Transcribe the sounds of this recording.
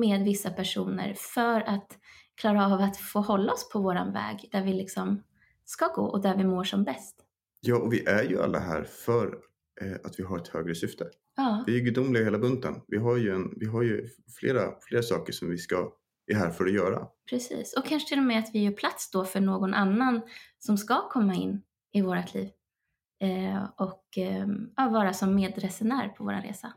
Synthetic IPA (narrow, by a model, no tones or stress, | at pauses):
meːd̪vɪsːapʰæʂuːnə̰ɾfœɾat̪ | kʰlɑːɾaɑːvat̪foːhɔlːaɔspʰɔvoːɾa̰nvɛ̰ːɡd̪æɾvɪlɪksɔm | skɑɡo̰ːʔɔd̪æɾvɪmoːʂɔmbɛst̪ | jɑːɔvɪʔæɾjɵʔa̰lːa̰ɦæ̰ːɾfœɾ | at̪vɪɦaɾɛt̪høːɡɾəsʏft̪ʰə | jɑːvɪæɾɡɵd̪ʊmːlɪɡaheːlabɵnt̪ə̰nvɪɦaɾjɵɛnvɪɦaɾjɵfleːɾafleːɾsɑːkəʂɔmvɪska | æɾɦæːɾfœɾɔjœːɾa̰pʰɾɛsḭːsɔkʰanʂə̥t̪ʰɪlːɔmɛat̪vɪjœːɾpʰlat̪sd̪ɔfœɳoːɡɔnʔanːansɔmskakʰɔmːaɪnː | ɪvoːɾat̪ʰliːv | ɔk | ɑːvɑːɾasɔmːeːd̪ɾɛsɛnæɾpʰɔvo̰ːɾanɾḛːsa